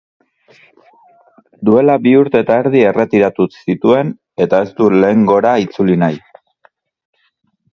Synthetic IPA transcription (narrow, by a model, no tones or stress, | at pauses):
d̪ue̞labiuɾt̪eːt̪aeɾðie̞re̞t̪iɾat̪usit̪ue̞n | e̞t̪ae̞st̪ule̞ːŋɡo̞ɾait͡sulinaj